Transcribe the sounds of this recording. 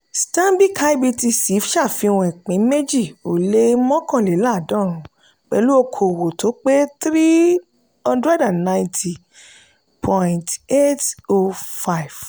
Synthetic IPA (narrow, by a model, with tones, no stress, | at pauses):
stã˦bi˦kʰa˧i˦bi˧ti˧si˨˦fʃa˦˨fĩ˧wɔ̃˨ĩ˨k͡pĩ˨˦me˦d͡ʒi˦˨o˨le˦mɔ̃˦kɔ̃˦˨lɛ˨˦la˦˨dɔ̃˦˨ɾ̃ũ˨˦ | k͡pɛ˨˦lu˦o˧kʰo˨wo˨to˨˦k͡pe˦t̪ɾi˦ | ɔ̃˧dɾa˦da˨nã˧j̃ntʰi˨ | pʰɔ̃˧˨nte˦to˧fa˦i˨v̥